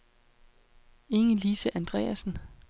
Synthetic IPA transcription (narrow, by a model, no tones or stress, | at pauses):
e̝ŋəlisəʔænd̥ʁɛ̰ːæsn̩